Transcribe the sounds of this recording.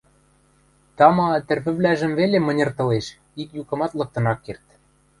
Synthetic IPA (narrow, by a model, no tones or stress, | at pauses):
t̪ɑmɑt̪ɘ̆rpɘ̆βlæʒɘ̆mvelemɤ̆nʲɤ̆rt̪ɤ̆leʃ | ikjukɤ̆mɑt̪lɤ̆k̚t̪ɤ̆nɑkːert̪